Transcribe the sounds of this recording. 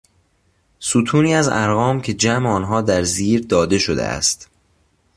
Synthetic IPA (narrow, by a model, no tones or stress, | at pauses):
sut̪ʰuːniːæzæɾɣɒːmcʲʰe̞d͡ʒæmeɒːnɦɒːd̪æɾziːɾd̪ɒːd̪e̞ʃod̪ḛæ̰st̪